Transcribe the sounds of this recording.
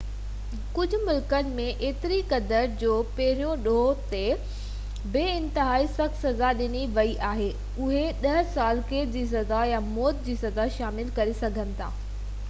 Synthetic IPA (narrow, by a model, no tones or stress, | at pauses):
kʊd͡ʑʱʊ̆mʊlkənɪ̆mẽʔeːt̪ɪɾikɐd̪əɾd͡ʑoːpɐɦɪɾijõɗoːɦt̪e | bɪɪ̃nt̪ɪɦaːisɐk̪sɐzaɗɪniʋɐiʔaːɦeː | ʊɦeɗɐɦsaːlkeːʈd͡ʑiːs̬ɐzajamoːd̪̚d͡ʑiːsɐzaʃaːmɪlkɐɾesɐɡʱənɪ̆t̪ʰa̰ː